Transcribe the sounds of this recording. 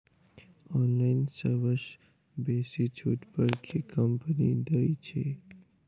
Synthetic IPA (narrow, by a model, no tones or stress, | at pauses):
ɔnlainsəɾʋəʃ | besit͡ʃʰuʈpəɾkʰekəmpnid̪əit͡ʃʰe